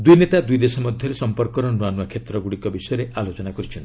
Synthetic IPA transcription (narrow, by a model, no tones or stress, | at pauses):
d̪ujnet̪ad̪ujd̪esɔmɔd̪ʱjɔɾesɔmpɔɾkɔɾɔnuanakʰet̪ɾɔɡuɽikɔbisɔjɔɾeʔalot͡ʃɔnakɔɾit͡ʃʰɔnti̥